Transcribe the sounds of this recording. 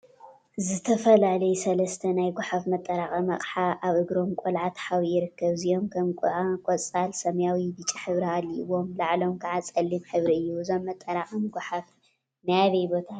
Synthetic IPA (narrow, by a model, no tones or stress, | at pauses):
zɨt̪ʰɐfɐlalɐjsɐlɐst̪ʰɐnajɡʷaħafmɐt̪ʼːɐɾaχʼɐmɐ̰χʼħaʔaβʔɨɡɾo̞mkʷʼolʕat̪ħawijɪɾɨkːɐβzijo̞mkʰɐmkʼʔakʼot͡sʼalsɐmjawibɨt͡ʃʼiħɨβɾialːiʔwo̞mlaʕlo̞mkʰaʕat͡sʼɐlːimħɨβɾiɨjːuzo̞mːɐt̪ʼːɐɾaχʼɐmɡʷaħaf | najaβɐjbo̞t̪ʰa